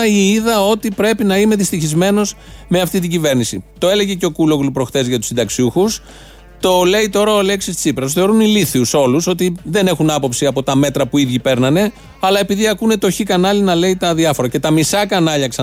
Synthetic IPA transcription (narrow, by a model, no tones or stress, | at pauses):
iiðɐo̞t̪ipɾe̞pinɐime̞ðist̪içizme̞no̞s | me̞ɐft̪it̪̬iɲɟive̞ɾnisit̪o̞e̞le̞ʝe̞ceo̞kulo̞ɣlupɾo̞xθe̞zʝɐt̪u̥sind̪ɐksiuxus | t̪o̞le̞it̪o̞ɾɐole̞ksist͡sipɾɐs̬θe̞o̞ɾuniliθiuso̞luso̞t̪iðe̞ne̞xunɐpo̞psiɐpo̞t̪ɐme̞t̪ɾɐpuiðʝipe̞ɾnɐne̞ | ɐlɐe̞piðiɐkune̞t̪oçikɐnɐlinɐle̞it̪ɐðiɐfo̞ɾɐce̞t̪ɐmisɐkɐnɐʎɐksɐ